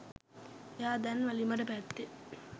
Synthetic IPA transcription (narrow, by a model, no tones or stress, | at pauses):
jaːd̪ɛnʋɐlimɐʈəpæt̪ːe